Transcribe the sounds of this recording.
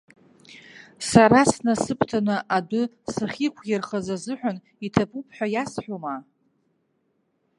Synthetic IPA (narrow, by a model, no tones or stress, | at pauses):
saɾasnasɨpʰtʰanɨʔadʊ | sɨχʲikʷʰjɪrχazazɨħᶣʷan | itʰapʰʼupʰʼħʷᶣajasħʷᶣoma